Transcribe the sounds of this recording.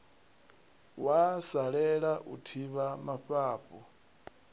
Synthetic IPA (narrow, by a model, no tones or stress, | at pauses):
wasaɺɛɺaʔutʰiβamaɸaːɸɔ